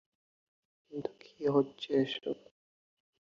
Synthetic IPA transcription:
int̪u̥kʰiɦotːɕʰeeʃo̰

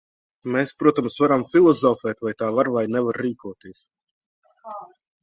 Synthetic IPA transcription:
meːspɾuɔt̪amsvaɾamfʲilˠɔzɔfɛːt̪vajt̪aːvaɾvajnɛvaɾːiːkuɔt̪iɛs

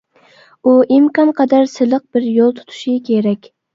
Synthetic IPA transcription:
uʔimkɑmqʰɑd̪ɑɾsɨlˠəq̚bɪɾjolˠt̪ʰu̥t̪ʰu̥ʃɪkʲʰeɾɛkʲ

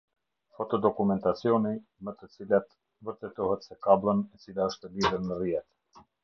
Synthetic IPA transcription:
fɔt̪ɔd̪ɔkumɛnt̪at͡sjɔnimət̪ət͡silat̪ | vəɾt̪ɛt̪ɔhɛt̪sɛkablˠənɛt͡silaəʃt̪əliðəɾnərijɛt̪

